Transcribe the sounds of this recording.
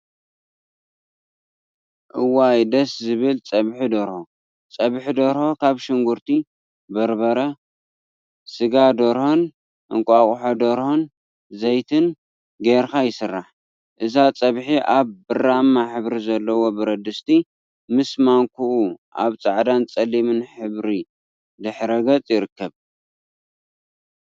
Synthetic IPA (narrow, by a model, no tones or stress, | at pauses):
ʔɨwajd̪ɐszɨβɨlt͡sʼɐβħid̪oɾho | t͡sʼɐβħid̪oɾhokʰaβʃɪŋɡuɾt̪ʰi | bɐɾbɐɾɐ | sɨɡad̪oɾhon | ʔɨŋkʷʼaχʼħod̪oɾhon | zɐjt̪ʰɨn | ɡeɾxajɪsɨrːaħ | ʔɨzat͡sʼɐβħiʔaβbɨramːaħɨβɾizɐlːɐwo̞bɨɾɐd̪ɨst̪ʰi | mɨsmaŋkʰuʔuʔa̰βt͡sʼaʕd̪ant͡sʼɐlimɨnħɨβɾi | d̪ɨħɾɐɡɐt͡sʼjɪɾɨkːɐβ